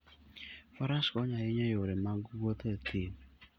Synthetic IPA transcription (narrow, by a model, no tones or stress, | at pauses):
fɔɾaskɔɲajɪɲɛjʊɾɪmaɡot̪etʰim